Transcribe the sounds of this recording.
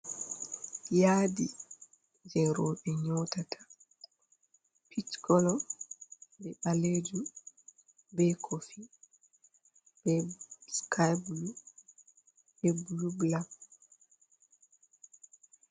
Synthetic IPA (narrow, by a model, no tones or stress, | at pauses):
jaːdi | d͡ʒɛɾɔɓɛɲɔtatʰḁ | pʰitkʰɔlɔ | bɛɓaled͡ʒu | bɛkʰofi | b̥ɛskʰajblu | bɛblublab̚